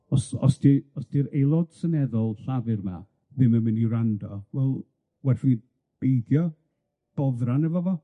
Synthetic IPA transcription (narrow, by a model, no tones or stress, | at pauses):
ɔsɔ̰sd̥iɔsd̥iɾejlˠɔd̥sənɛðɔlˠɬavɪrma | ðɪməmɪnirandɔvɛlˠ | wɛrfɪni | b̥ejɡjɔ | b̥ɔðranɛvɔvɔ